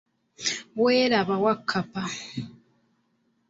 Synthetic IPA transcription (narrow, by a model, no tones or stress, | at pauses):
weːɾaβawakʰːapa